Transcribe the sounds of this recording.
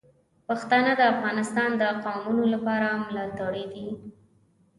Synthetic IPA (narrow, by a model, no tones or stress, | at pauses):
paxt̪ɑnəd̪əafɣɑnɪst̪ɑnd̪əqɑmunolapɑɾamlɑt̪aɽid̪i